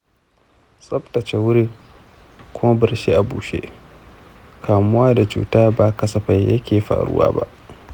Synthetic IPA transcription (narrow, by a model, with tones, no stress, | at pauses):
sʼɐ˦btɐ˨t͡ʃe˨wʊ˦ɾi˦ | kʷʊ˦ma˦bɪ˨ɾʃi˦ʔa˨buː˨ʃḛ˦ | kaː˨mʊ˦waː˦da˨t͡ʃṵː˨taː˦baː˨kɐ˦sɐ˨ɸɐ˨jjɐ˦kʲeː˨ɸa̰ː˨ɽʊ̰˦wa̰ː˦ba̰˦ʔ